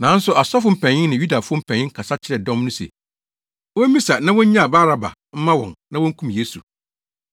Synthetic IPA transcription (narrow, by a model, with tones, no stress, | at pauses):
nã˨˦n̩˦sʊ˨a˨sɔ˦fʊ˨m̩˦pʰɛ̃˨ɲɪ̃˦nnɪ̃˨ju˦da˨fʊ˦ɔ˦m̩˦pʰɛ̃˨ɲɪ̃˦ŋ˦kʰa˨sa˦t͡ɕʰɪ˦ɾɛ˨dɔ̃˦mnʊ̃˦sḛ˨ | wɔ̃˦mĩ˦sa˨nã˦wɔ̃˦ɲ̩˦ɲã˦˨ba˦ɾa˦ba̰˨ | m̩˦mã˦wɔ̰̃˨nnã˦wɔ̃˦ŋ̩˦kʰũ˦m˨jeː˨˦su˨